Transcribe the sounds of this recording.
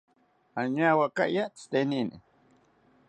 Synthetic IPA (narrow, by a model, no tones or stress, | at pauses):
aɲawaka̰ʔjat͡st̪eninḭ